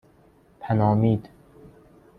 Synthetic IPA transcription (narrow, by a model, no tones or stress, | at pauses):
pʰænɒːmiːd̪